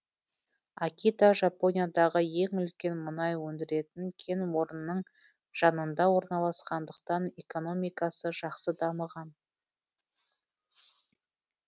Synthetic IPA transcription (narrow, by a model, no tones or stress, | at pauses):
akʲit̪aʒapo̞nʲijad̪ɑʁəje̞ŋʏlkʲe̞nmənɑjwɵnd̪ɪɾe̞t̪ɪŋkʲʰe̞nwo̞ɾənːəɴ | ʒ̥ɑnənd̪ɑwo̞ɾnɑlˠɑsqɑnd̪əqt̪ɑne̞ko̞no̞mijkɑsəʒɑqsəd̪ɑməʁɑn